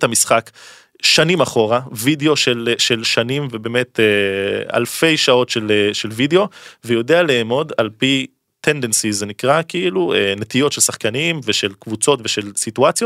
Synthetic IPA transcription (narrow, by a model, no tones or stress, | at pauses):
tamisχak | ʃanimaχo̞ʁavideo̞ʃelʃelʃanimvebe̞ːmet̪ea̰lfe̞jʃao̞tʃeleʃelvideo̞vejo̞de̞aleːmo̞dalpi | t̪ʰend̪ensizenikʁakiiluenet̪ijo̞tʃelsaχkanimveʃelkvut͡so̞tveʃe̞lsituat͡sjot